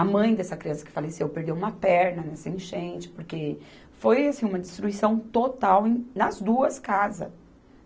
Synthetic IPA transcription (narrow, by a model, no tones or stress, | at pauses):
ɐmɐ̃j̃d̪ɛsɐkɾiɐ̃sɐkɪ̥falesewpeɾd̪ewũmɐpɛɾnɐnɛsɐẽʃẽnt͡ʃɪ̥poɾke | fojasĩũmɐd͡ʒ̪ɪst̪ɾuisɐ̃w̃t̪ot̪awẽj̃nɐzd̪uɐskazɐ̰